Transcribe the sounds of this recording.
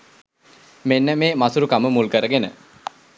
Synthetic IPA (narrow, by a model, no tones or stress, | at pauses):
menːəmeːmasuɾukaməmulkəɾəɡenə̰